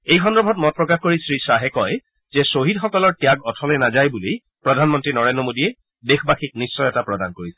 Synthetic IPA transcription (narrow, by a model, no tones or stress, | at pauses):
ejxʰɔndɹɔbʱɔtmɔt̚pɹɔkaxkoɹisɹisaɦɛkɔj | zɛsoɦidxɔkɔlɔɹtijaɡɔtʰɔlɛnazajbulej | pɹɔdʱanmɔntɹinɔɹendɹɔmodiɛ | dexbaxik̚nisːɔjɛtapɹɔdankoɹisɛ̥